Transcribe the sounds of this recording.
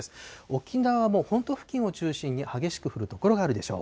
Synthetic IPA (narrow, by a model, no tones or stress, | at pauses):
sɨ̥o̞kʲinaβamo̞ːhõ̞nt̪o̞ɸɯ̟̥kʲĩɰ̃o̞t͡ɕɨːɕĩɲ̟ːihaɡe̞ɕi̥kɯ̟ɸɯ̟ɾɯ̟t̪o̞ko̞ɾoɡaːɾɯ̟d̪e̞ɕo̞̰ː